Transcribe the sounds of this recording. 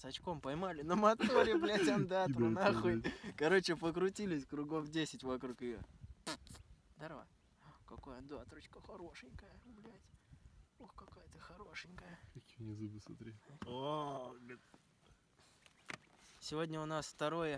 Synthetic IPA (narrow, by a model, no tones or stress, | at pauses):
sɐt͡ɕko̞mpɐjmalʲɪnəmɐt̪oɾʲɪplʲɛt̪ʲamd̪at̪ɾʊnaxʊkɐɾo̞t͡ɕɪpəkɾʊtʲilʲɪsʲkɾʊɡo̞fdʲesʲɪtʲvɐkɾukɪjo̰ | d̪ɐɾva̰ | kɐkojəd̪oɐt̪ɾot͡ɕkəxɐɾo̞ʂɨnʲkəjəʊblʲætʲ | oxkɐkajət̪ɨxɐɾo̞ʂɨnʲkəjəkɐkʲinʲɪzɨbɨsɐt̪ɾʲeoɡt̪ | sʲɪvo̞dʲnʲəʊnasft̪ɐɾo̞jə